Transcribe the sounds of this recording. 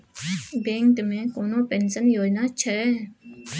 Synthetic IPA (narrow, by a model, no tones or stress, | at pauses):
bẽːŋkmẽkoːnõpẽnʃənjoːd͡ʒnat͡ʃʰɛː